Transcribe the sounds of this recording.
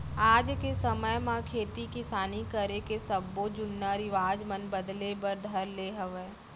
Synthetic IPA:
aːd͡ʒkesɐməjmãkʰeːt̪ikisaːnikəɾekesɐbːod͡ʒʊnːaɾɪʋaːd͡ʒmənbɐd̪lebɐɾd̪ʱɐɾleːɦəʋeː

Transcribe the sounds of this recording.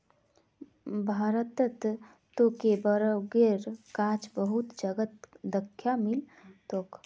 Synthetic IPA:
bʱaːɾət̪ət̪ | t̪ːokebəɾəɡeɾkaːt͡ʃbəɦut̪d͡ʒəɡət̪d̪əkʰːjamil | t̪oːk

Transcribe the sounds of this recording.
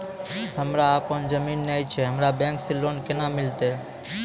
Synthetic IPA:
ɦəmɾaːpənd͡ʒəminːajt͡ʃʰeɦəmɾabẽŋksilonkenamɪlt̪e

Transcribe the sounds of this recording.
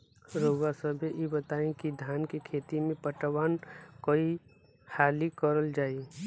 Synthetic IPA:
ɾoʋasəbʱejebət̪aːẽkid̪ʱjaːnkekʰeːt̪imẽpəʈʋaːnkoi | haːlikəɾəld͡ʒaːie

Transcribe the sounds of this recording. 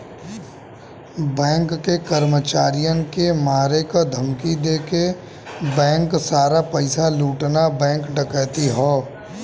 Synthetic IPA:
bɛ̃ːŋkːekəɾmət͡ʃaːɾijəkemaːɾekad̪ʱɐmkid̪eːke | bɛ̃ːŋksaːɾapɐɪsaluːʈnabɛ̃ːŋkɖɐkət̪iɦoː

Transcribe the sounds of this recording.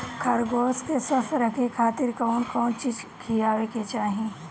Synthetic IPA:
kʰɐɾɡoːskesɐfɾɐkʰekʰaːt̪ɪɾkɐːnkɔːnt͡ʃiːd͡ʒkʰijaːweket͡ʃaːɦiẽː

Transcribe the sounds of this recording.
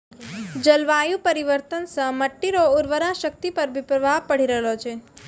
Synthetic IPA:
d͡ʒəlʋajũpəɾiʋəɾt̪ənsə̃məʈːiɾoʊɾʋəɾaʃək̚t̪ipəɾʋipɾəbʱapəɽ̤iɾəɦeot͡ʃʰe

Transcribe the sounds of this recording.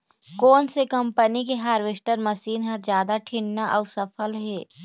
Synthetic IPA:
kɔːnsekɐ̃mpənikeɦaːɾʋeʃʈəɾmɐsiːnɦad͡ʒjaːd̪aʈʰɪɳnaʔɔːɾsɐfʰəlɦɛː

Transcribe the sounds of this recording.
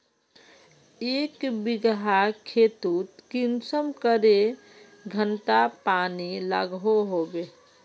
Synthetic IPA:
ekbiɡɦakʰet̪ut̪kinsəmkəɾe | ɡʱənʈapanila̰ɡɦoɦobe

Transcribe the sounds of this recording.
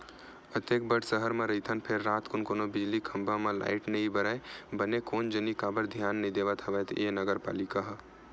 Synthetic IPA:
ət̪ek̚bəʈsəɦəɾmeɾəɦit̪ʰənpʰeɾːat̪konkonobid͡ʒlikʰəmbamela̰ɪʈnəibəɾəjbənekond͡ʒənikabəɾd̪ʱijanːəid̪eβət̪ɦəʋɛt̪ʰenəɡəɾpa̰likaɦ

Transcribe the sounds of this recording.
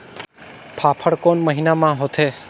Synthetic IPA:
pʰapʰəɽkonməɦinamãɦot̪ʰe

